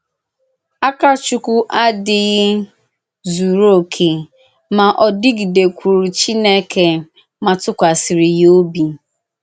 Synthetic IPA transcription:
a˦ka˦t͡ʃu˦kʷu˦ʔa˦dɪ˨ɣɪ˦ | zu˨ɾo˦˨kʰe˨ | ma˨ʔɔ˨dɪ˦ɡi˨de˨kʷu˨ɾu˨t͡ʃi˦ne˦kʰe˨ | ma˨tʊ˦kʷa˨sɪ˨ɾɪ˨jo˦bi˨

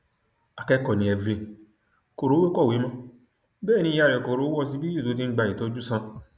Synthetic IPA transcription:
a˨kɛ˧kɔ˨nĩ˨ɛ˧ve˧˨ | ko˨ɾo˨˦we˦kɔ˦˨we˨˦mã˦ | bɛː˦˨nĩ˧˦ja˧ɾɛ˨ko˨ɾo˨˦wɔ˧s̬i˧bi˦ju˦˨to˨˦t̬i˧˦ɡ͡ba˧i˨to˧˦d͡ʒu˦sã˧

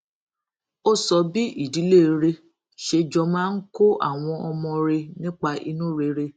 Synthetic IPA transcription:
o˦˨sɔ˨bi˦ʔi˦˨di˨˦le˦˨ɾe˧ | ʃe˧d͡ʒɔ˧mãː˦n̩˦ko˦ʔa̰˦˨w̃ɔ̃˧ɔ˧mɔ̃˧ɾe˧nĩ˦k͡pa˧ʔi˧nũ˦ɾe˧˦ɾe˧

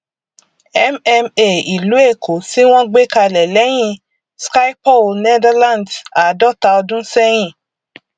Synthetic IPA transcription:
ɛ˦mɛ˧me˦˨i˨lu˨˦e˦˨kʰo˨˦si˦w̃ɔ̃˦ɡ͡be˦ka˧lɛ˨lɛ˨˦j̃ĩ˦˨ | ska˦i˦pɔ˦˨ne˦da˦lã˦˨nda˨˦dɔ˦˨ta˧ɔ˧dũ˦sɛ˦j̃ĩ˦˨

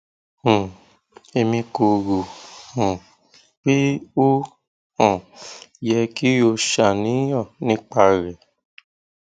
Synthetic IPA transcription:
hũ˨ | e˧mĩ˧ko˧ɾu˨h | k͡pe˦o˦ | hɔ̃˦˨jɛ˧ki˦o˧ʃa˨nĩ˨˦jɔ̃˦˨nĩ˨˦k͡pa˧ɾɛ˨

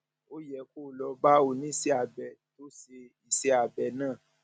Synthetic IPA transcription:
o˦jɛ˨ko˦˨lɔ˧ba˦o˨nĩ˨˦˨se˧˦a˨bɛ˨to˨˦se˧i˨se˧a˨bɛ˨nãː˦˨

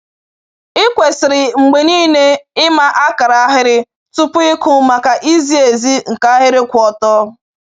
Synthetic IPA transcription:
ɪ˦kʷe˨sɪ˨ɾɪ˨ŋ͡m̩˨ɡ͡be˨niː˦ne˦ɪ˦ma˦ʔa˦ka˨ɾa˨˦ɦɪ˦ɾɪ˦ | tʊ˦pʊ˦ɪ˦kʊ˦ma˨ka˨ʔi˦zi˦e˨zi˦ŋ̩˨ka˦ɦɪ˦ɾɪ˦kʷɔ˨tɔ˦

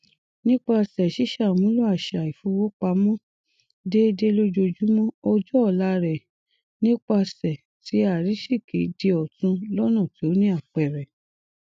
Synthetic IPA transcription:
nĩ˦k͡pa˧sɛ˨ʃi˦ʃa˨mũ˨˦lu˦a˦˨ʃa˨i˨fu˧˦wo˦k͡pa˧˦mɔ̃˦ | de˦de˦lo˦d͡ʒo˧d͡ʒu˦mɔ̃˦ɔ˧d͡ʒɔ˦ɔ˨la˦ɾɛ˨ | nĩ˦k͡pa˧sɛ˨ | ti˨˦a˦˨ɾi˨˦ʃi˦˨ki˨˦de˧ɔ˨tũ˧lɔ˦nɔ̃˦˨ti˨˦o˦nĩ˦a˦˨k͡pɛ˨ɾɛ˨

